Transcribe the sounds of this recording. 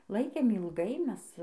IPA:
ˈlˠɐɪkʲeːm ɪlˠˈɡɐɪ ˈmʲɛs

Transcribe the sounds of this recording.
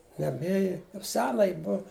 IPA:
ˈjɛm ˈeːjɪ jɛʊ ˈsʲæːnɐ ˈjɪ ˈbʊw

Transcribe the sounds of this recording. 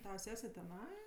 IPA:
ˈtɑːʋɐ ˈsʲæːsʲɛ tʲɛˈnɐɪ

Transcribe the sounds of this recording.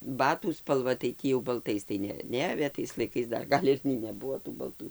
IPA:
ˈbɑːtuː spɐlˠˈʋɐ tɐɪ ˈtʲiː jɛʊ bɐlˠˈtɐɪs tɐɪ ˈnʲɛ ˈnʲɛɐʋʲeː tɐɪs lˠɐɪˈkɐɪs ˈdɐr ˈɡɐlʲ ɪr nʲɛɪ nʲɛˈbʊʋoː tuː bɐlˠˈtʊ

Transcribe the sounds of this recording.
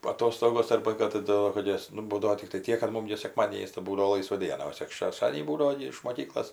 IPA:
ɐˈtoːstoːɡoːs ˈɐrbɐ kɐt tɐˈdʊ kɐt ˈjɛs nʊ ˈbuːdɐʋoː tʲɪkˈtɐɪ ˈtʲiɛk kɐt ˈmʊm ɡʲɪ sʲɛˈkmɑːdʲiɛnʲɪs tɐɪ ˈbuːdɐʋoː ˈlˠɐɪsʋɐ ˈdʲiɛnɐ oː tʲɪk ʃʲɛʃˈtɑːdʲiɛnʲiː ˈbuːdɐʋoː ɡʲɪ ɪʃ moːˈkʲiːklˠoːs

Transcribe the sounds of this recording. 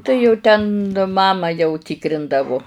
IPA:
tɐɪ jɛʊ ˈtʲɛn ˈmɑːmɐ jɛʊ ˈtʲɪkrʲɪndɐʋʊ

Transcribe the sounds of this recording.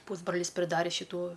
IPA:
ˈpuːzbrɐlʲɪs pʲrʲɪˈdɑːrʲeː ʃʲɪˈtuː

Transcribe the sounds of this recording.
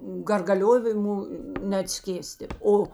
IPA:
ɡɐrɡɐˈlʲoːʋʲɪmʊ nʲɛɐtʲˈsʲkʲeːsʲtʲɪ ˈoː

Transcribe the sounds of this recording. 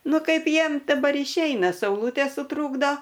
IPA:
ˈnʊ ˈkɐɪp ˈjiɛm dɐˈbɐr ɪʃʲˈɛɪnɐ sɐʊˈlˠuːtʲeː sʊˈtruːɡdoː

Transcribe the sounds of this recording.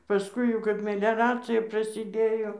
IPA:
pɐˈskʊɪ jɛʊ kɐp mʲɛlʲɛˈrɑːt͡sʲɪjɛ prɐsʲɪˈdʲeːjoː

